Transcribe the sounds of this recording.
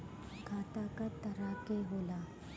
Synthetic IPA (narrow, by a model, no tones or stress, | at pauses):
ɡʱat̪akat̪əɾakeɦola